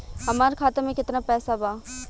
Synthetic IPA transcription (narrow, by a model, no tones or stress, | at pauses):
ɦɐmaːɾekʰaːt̪emẽkɪt̪napɛːsabaː